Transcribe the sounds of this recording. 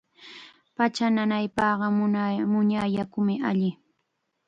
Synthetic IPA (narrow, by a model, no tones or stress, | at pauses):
pat͡ʃananajpɑːɢɑmʊɲajakʊmɪʔaʎɪ